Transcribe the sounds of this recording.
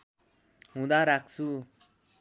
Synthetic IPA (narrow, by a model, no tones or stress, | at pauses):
ɦũd̪aɾak̚t͡sʰu